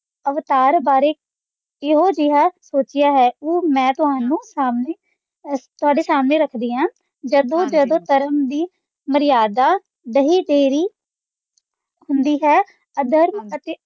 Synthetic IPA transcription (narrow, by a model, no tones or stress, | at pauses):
əʋt̪aːɾbaːɾeː | ɪɦoːd͡ʒɪɦaːsoːt͡ʃɪjaːɦɛːoːmɛ̃ːt̪ʊɦaːnũːsaːmneː | t̪ʊaːɖeːsaːmnẽːɾəkʰd̪iːɦãː | d͡ʒəd̪õːd͡ʒəd̪õːt̪əɾəmd̪iː | məɾɪjaːd̪aː | d̪əɦiːd̪eːɾiː | hʊnd̪iːɦɛː | əd̪ʱəɾmət̪eː